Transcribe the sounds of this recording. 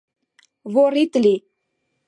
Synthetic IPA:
voɾit̪li

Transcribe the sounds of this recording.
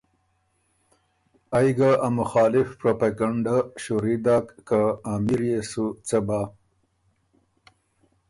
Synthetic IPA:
ajɡaʔamʊxɑːlɪfpɾopaɡaɳɖaʃuɾid̪aːkːaamiɾjesut͡saba

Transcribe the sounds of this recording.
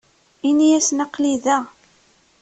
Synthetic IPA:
inijæsnəqːliðæ

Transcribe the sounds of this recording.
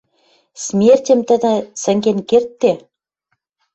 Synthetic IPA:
smʲerʲtʲɘ̆mt̪ɘ̆d̪ə̆sɘ̆ŋɡʲenkʲert̪ːe

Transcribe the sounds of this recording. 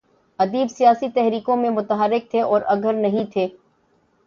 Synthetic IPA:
ɐd̪iːbsijaːsit̪ɛɦɾiːkõmẽmʊt̪əɦəɾːɪk̚t̪ʰeʔɔːɾʔɐɡʱəɾnɐɦĩt̪ʰeː

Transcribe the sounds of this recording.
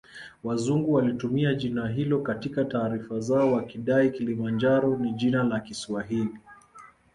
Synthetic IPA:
wazuŋɡuwalitumiaʄinaɦilɔkatikataːɾifazaɔwakiɗaikilimand͡ʒaɾɔniʄinalakiswaɦili

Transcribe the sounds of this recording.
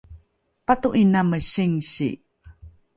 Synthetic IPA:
patuʔinaməɕiŋɕḭ

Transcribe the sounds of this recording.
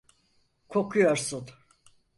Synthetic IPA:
kʰokʰujoɾsun

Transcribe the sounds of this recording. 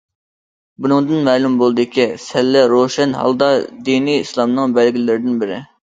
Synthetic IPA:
bunɨŋd̪ɨnmɛːlumbolˠɨd̪ɪkʲʰisɛlːɛɾoʃɛnhɑ̰lˠd̪ɑd̪iniislˠɑmnɨŋbælɡʲilɪlːɪɾɪd̪ɪnbɪɾɪ

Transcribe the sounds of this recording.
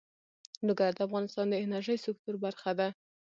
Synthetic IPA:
lʊɡaɾd̪əafɣɑnɪst̪ɑnd̪əɪnaɾʒəjsɪk̚t̪ʊɾbaɾxad̪a

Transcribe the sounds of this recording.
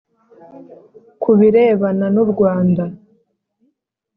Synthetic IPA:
kʰuβiɾe̞ːβananuɾɡwaːnda

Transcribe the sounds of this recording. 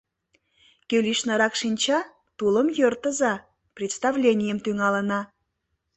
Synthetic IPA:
kʲølʲiʃnəɾɑkʃinʲt͡ɕɑ | t̪uləmjørt̪əzɑ | prʲet̪st̪ɑvlʲenʲijəmt̪yŋɑlənɑ

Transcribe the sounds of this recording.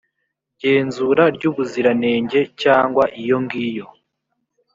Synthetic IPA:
ɟe̞ːnzuɾaɾɟuːβuziɾane̞ːɲɟe̞caːŋɡwaʔijo̞ŋɡiːjo̞

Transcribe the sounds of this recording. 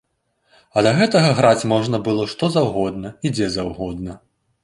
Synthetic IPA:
ɐd̪ɐɣɛt̪ɐɣɐɣɾat͡sʲmɔʐnɐbɨlˠɔʂt̪ɔzawɣɔd̪nɐid͡zʲɛzawɣɔd̪nɐ

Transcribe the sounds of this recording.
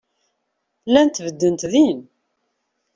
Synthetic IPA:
lːænt̪vəd̪ːənt̪ðin

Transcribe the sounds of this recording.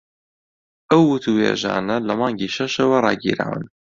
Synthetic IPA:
ʔɐwːʊt̪ʰuheːʒa̰ːnɐlɐmɑːŋɡiːʃɐʃɐwɐrˤɑːɡḭːɾa̰ːwɨ̰n

